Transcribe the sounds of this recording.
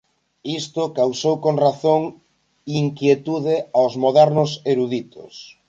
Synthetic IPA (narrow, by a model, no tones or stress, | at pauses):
ist̪ʊkawsowkoŋraθoŋ | iŋkjet̪uðeawzmoðɛɾnʊseɾuðit̪ʊ̰s